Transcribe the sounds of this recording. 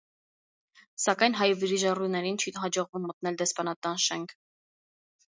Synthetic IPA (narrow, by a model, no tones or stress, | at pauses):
sɑkɑjnɦɑjviɾiʒɑrujnɛɾint͡ʃʰiɦɑd͡ʒɔʁvumːət̪̚nɛld̪ɛspɑnɑt̪ɑnʃɛŋkʰ